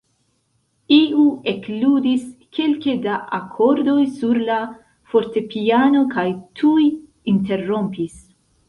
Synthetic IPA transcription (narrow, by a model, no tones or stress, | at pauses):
iueklud̪iskʰelked̪aʔakʰoɾd̪ojsuɾla | foɾt̪epiaːno̞kajt̪ʰuj | int̪erːompis